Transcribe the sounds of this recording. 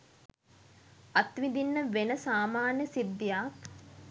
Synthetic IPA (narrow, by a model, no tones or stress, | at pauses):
ɐt̪ʋid̪inːəʋenəsaːmaːnjəsid̪ːijak